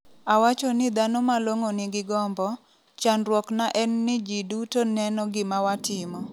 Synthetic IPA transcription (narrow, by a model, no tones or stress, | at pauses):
awat͡ʃɔnɪd̪anomaloŋonɪɡɪɡɔmbɔ | t͡ʃanrwɔknaʔɛnːɪd͡ʒidutonɛnɔɡɪmawatɪmɔ